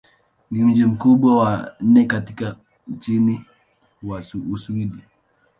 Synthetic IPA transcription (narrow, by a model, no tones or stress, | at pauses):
ŋɡim̩d͡ʒim̩kuɓwawanɛkatika | n̩t͡ʃini | wasuusuiɗi